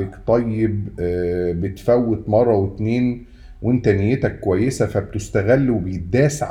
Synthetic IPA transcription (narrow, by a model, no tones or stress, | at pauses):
ekt̪ˤɑjːeb | bet̪fæwːet̪mɑrˤːɑwet̪neːn | wʔent̪ænejːet̪ækːowæjːesæfæbet̪est̪æɣælːwebejet̪̚d̪æːsʕ